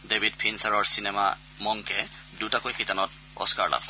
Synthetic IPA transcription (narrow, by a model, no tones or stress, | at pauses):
debʱid̚pʰinsaɹɔɹsinɛma̰ | mɔŋkɛ | dutakojxitanɔt̚ | ɔ̰skaɹla̰b